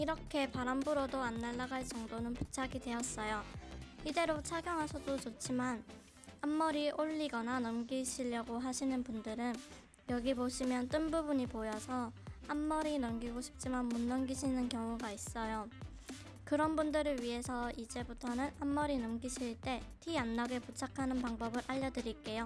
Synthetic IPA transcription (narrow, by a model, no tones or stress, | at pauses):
iɾʌkʰe̞paɾambuɾodoanːaɭːaɡaɭt͡ɕ͈ʌŋdonɯnpu̥t͡ɕʰaɡidwe̞jʌs͈ʌjoide̞ɾot͡ɕʰaɡjʌŋɦasʰʌdot͡ɕot͡ɕ͈ʰiman | hamːʌɾiʔoʎːiɡʌnanʌmɡiɕʰiʎːʌɡoɦaɕʰinɯnpundɯɾɯn | jʌɡiboɕʰimjʌnt͈ɯnbubuɲipojʌsʰʌamːʌɾinʌmɡiɡoɕʰi̥p̚t͡ɕ͈imanmunːʌmɡiɕʰinɯnkjʌŋuɡais͈ʌjo | kɯɾʌnbundɯɾɯɭɥiɦe̞sʰʌid͡ʑe̞butʰʌnɯnamːʌɾinʌmɡiɕʰiɭt͈e̞tʰijanːʌɡe̞put͡ɕʰakʰanɯnpaŋbʌbɯɾʔaʎːʌdɯɾik͈e̞jo